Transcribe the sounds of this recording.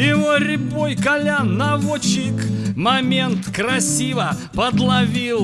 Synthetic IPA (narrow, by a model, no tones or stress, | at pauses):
ɪmoɾʲɪpojkɐlʲanːɐvot͡ɕɪkmɐmʲent̪kɾɐsʲivə | pəd̪lˠɐvʲilˠ